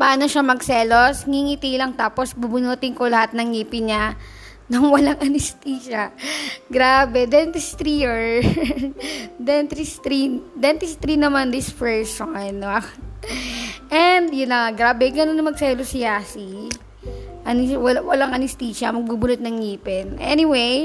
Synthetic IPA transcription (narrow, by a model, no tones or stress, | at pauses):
pɐʔaːnoʃamɐɡsɛːlosŋiŋiːt̪ilɐŋt̪aːposbubʊnuːt̪ɪŋkolɐhat̪̚nɐŋːiːpɪɲa | nʊŋwɐlaŋʔɐnɪst̪iːʃɐɡɾaːbɛd̪ɛnt̪ɪst̪ɾioɹ | d̪ɛnt̪ɾɪst̪ɾid̪ɛnt̪ɪst̪ɾinɐmand̪ɪspɛɹsonː | ʔɛnd̪jʊnːɐŋaɡɾaːbɛɡɐnonːɐmɐɡsɛlosɪjaːsi | ʔɐnɪwɐwɐlaŋɐnɪst̪iːʃɐmɐɡ̚bubʊnʊt̪̚nɐŋːiːpɪnʔɛniwej